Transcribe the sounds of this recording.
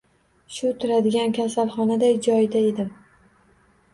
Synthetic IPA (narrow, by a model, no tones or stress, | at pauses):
ʃʊt̪ʰʊɾad̪ɪɡʲankʲʰasalˠχɒnad̪ajd͡ʒɒjd̪ae̞d̪ɪm